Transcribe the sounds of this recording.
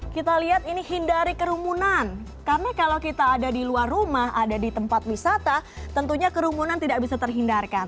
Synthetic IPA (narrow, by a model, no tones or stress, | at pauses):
kit̪aliɦat̪inihindaɾikəɾumunan | kamikalawkit̪aːdadiluarːumaɦadadit̪əmpat̪̚wisat̪at̪ənt̪uɲakəɾumunant̪idaʔk̚bisat̪ərɦindarkan